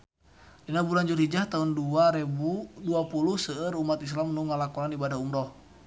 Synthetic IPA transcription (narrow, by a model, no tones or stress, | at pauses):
dinabuland͡ʒurɦid͡ʒaht̪aɦunduaɾɛbuduapuluhsəːrumːat̪is̬lamnuŋalakɔnanibadaumdɔh